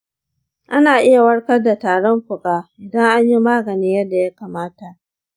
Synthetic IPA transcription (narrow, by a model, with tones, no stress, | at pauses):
ʔa˦naː˨ʔɪ˦ja˨wɐ˦ɽkɐ˦rda˨taː˨ɽɔ˦mɸʊ˨kʼaː˦ʔɪ˨dɐ˦ŋʔa˦ɲji˦maː˦ɡɐ˨niː˦jɐ˦da˨ja˦kaː˨maː˦ta˨ʔ